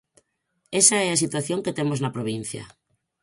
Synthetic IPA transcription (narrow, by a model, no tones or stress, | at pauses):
esaɛas̬it̪waθjoŋket̪emoznapɾoβ̞in̟θja̰